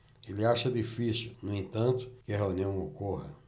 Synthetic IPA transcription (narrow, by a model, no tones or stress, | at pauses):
elɪaʃɐd̪ifisiwnʊ̃ẽnt̪ɐ̃nt̪ʊ̥kɪɐɦeũniɐ̃w̃okoɦɐ